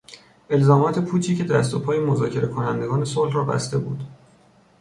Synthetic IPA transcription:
ʔe̞lzɒːmɒːt̪ʰe̞pʰuːt̪ʰiːcʰed̪æst̪o̞pʰɒːjemo̞zɒ̰ːcʰe̞ɾe̞kʰo̞nænd̪e̞ɡɒːne̞solhrɒːbæ̰st̪e̞bṵːd̪̥

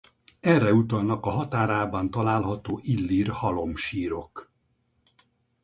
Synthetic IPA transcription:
ɛrːɛut̪ɒlnɒkɒɦɒt̪aːɾaːbɒnt̪ɒlaːlɦɒt̪oːʔilːirhɒlo̞mʃiːɾo̞k

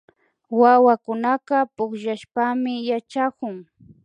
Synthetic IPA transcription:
wawakʊnaqɑpʊχʃaʃpamɪjat͡ʃakʊŋ

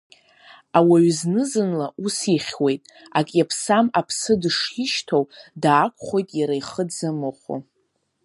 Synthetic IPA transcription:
awaɥznɨzɨnlaʔusiχʲwe̞jtʼ | akʼjapʰsamapʰsɨdɨʂɪʃtʰowdaːkʷʰʼχʷo̞jtʼjaɾajχədzamɨχʷo̰

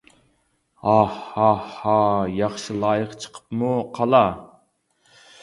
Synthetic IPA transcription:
ɑhɑhɑjɑχʃɨlˠɑːjəqt͡ʃʰə̥qʰə̥pmuqʰɑlˠɑ

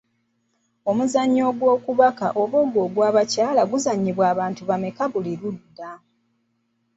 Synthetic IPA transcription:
o̞muzaɲːo̞ːɡwo̞ːkuβaka̰ʔo̞βo̞ːɡo̞ːɡwaːβacaːlaɡuzaɲːiβwaːβaːntuβamekaβuliɾudːa

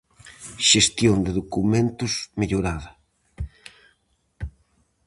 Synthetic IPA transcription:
ʃest̪jond̪eðokumẽnt̪ʊsmeʎoɾaðɐ

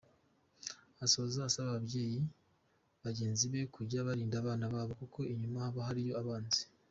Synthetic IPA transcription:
aso̞ːzaːsaβaβabɟe̞ːji | βaɟeːnziβe̞kuɾɟaβaɾiːndaβaːnaβaːβo̞kuko̞iɲumahaβaɦaɾijo̞aβaːnzi̥

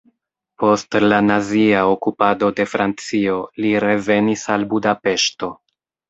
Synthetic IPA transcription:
po̞stlanaziaokupado̞de̞fɾant͡sio̞liɾe̞ve̞nisalbudape̞ʃto̞

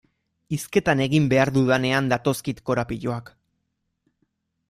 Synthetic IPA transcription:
iske̞t̪ane̞ɣimbe̞aɾðuðane̞and̪at̪o̞skit̪ko̞ɾapiʎoak

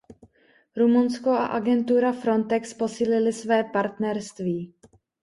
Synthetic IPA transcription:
ɾumunsko̞a̰ʔaɡɛnt̪uɾafɾo̞nt̪ɛkspo̞siːlɪlɪsvɛːpaɾt̪nɛɾst̪viː

